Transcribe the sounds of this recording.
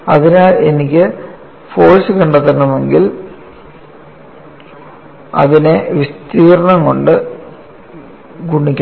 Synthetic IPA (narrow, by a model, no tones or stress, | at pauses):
ɐðinaːlenikʲːɨ | fo̞ːɻsɨkɐɳɖɐt̪ːenːumeŋɡil | ɐ̰ðine̞ʋist̪iːɾɐɳɐŋko̞ɳɖɨ | ɡuɳːikʲː